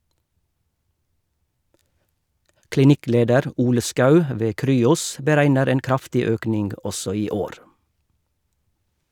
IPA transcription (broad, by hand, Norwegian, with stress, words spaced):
klɪˈnɪˌkleːdəɾ ˈuːlə ˈskɑʉ ə ˈʋeː ˈkɾyːʊs bəˈɾæɪnəɾ ˈeːn ˈkɾɑftɪ ˈøːknɪŋɡ ˈɔsɔ ˈiː ˈoːɾ